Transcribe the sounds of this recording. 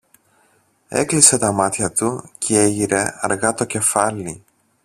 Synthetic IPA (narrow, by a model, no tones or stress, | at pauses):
e̞̰klise̞t̪ɐmɐt̪çɐt̪ucʰee̞ʝiɾe̞ɐ̰ɾɣɐt̪o̞ce̞fɐli